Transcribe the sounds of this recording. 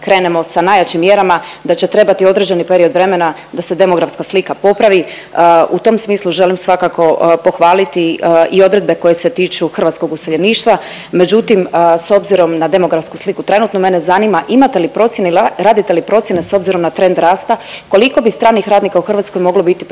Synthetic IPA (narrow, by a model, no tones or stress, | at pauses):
kɾe̞ːne̞mo̞sanaːjat͡ɕimːje̞ɾamad̪at͡ɕe̞t̪ɾe̞bat̪io̞d̪ɾed͡ʑenipe̞ɾio̞d̪ʋɾe̞me̞na | d̪ase̞d̪e̞mo̞ɡɾafskaslikapo̞pɾaʋi | ut̪o̞msmiːslˠuʒe̞limsʋakako̞po̞xʋaːlit̪iio̞d̪ɾed̪be̞ko̞je̞se̞t̪iːt͡ʃuxrʋat̪sko̞ɡuseʎeniːʃt̪ʋa | me̞d͡ʒut̪imso̞bziɾo̞mnad̪e̞mo̞ɡɾafskuslikut̪ɾe̞nut̪no̞me̞nezanimaʔimat̪e̞lipɾo̞t̪sje̞neɾaːd̪it̪e̞lipɾo̞t̪sjene̞so̞bziɾo̞mnat̪ɾe̞nd̪ɾaːst̪ako̞liko̞bist̪ɾaːnixɾaːd̪nikauxr̩ʋat̪sko̞jmo̞ɡlo̞bit̪ip